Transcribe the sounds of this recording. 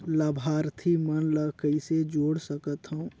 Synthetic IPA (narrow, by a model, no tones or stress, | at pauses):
ləbʱaːɾt̪ʰimənləkəɪsed͡ʒoːɽsəkət̪ɦəũ